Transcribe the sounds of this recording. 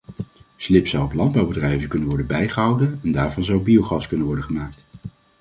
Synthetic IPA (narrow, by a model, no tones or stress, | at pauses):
slɪpsɑwɔplɑnd̚bɑwbədrɛjvəkɵnənʋɔɹdəbɛjχəɦɑwdənɛndaːɹvɑnzɑwbiowχɑskɵnənʋɔɹdəχəmaːk̚t